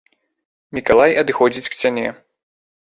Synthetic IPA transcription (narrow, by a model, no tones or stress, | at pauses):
mʲikalˠajɐd̪ɨxɔd͡zʲit͡sʲksʲanʲɛ